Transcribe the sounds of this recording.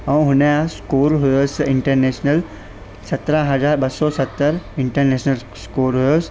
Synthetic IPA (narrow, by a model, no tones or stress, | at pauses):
ɐ̃ũɦʊneãskuːɾɦʊjosɪɳʈəɾneːʃnəl | sɐt̪ɾaɦɐzaːɾbɐsɔsɐt̪ːəɾɪ̃ɳʈəɾneːʃnəl | skoːɾɦujos